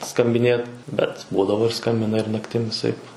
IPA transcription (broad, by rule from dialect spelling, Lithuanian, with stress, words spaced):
skɐmʲbʲɪˈnʲeːt ˈbʲɛt ˈbuːdɐʋoː ɪr ˈskɐmʲbʲɪnɐ ɪr nɐkˈtʲɪm ʋʲɪˈsɐɪp